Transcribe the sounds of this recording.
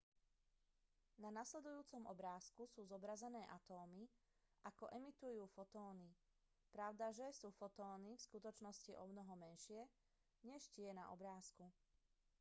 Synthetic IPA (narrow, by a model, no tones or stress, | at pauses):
nanaslɛd̪ujuːt͡sɔmʔɔ̰bɾaːskusuːzɔbɾazɛnɛːʔat̪ɔːmiʔakɔʔɛmit̪ujuːfɔt̪ɔːni | pɾaʊd̪aʒɛsuːfɔt̪ɔːnifskut̪ɔt͡ʃnɔsciʔɔ̰mnɔɦɔmɛnʃɪɛ | ɲɛʃcɪɛna̰ʔɔbɾaːsku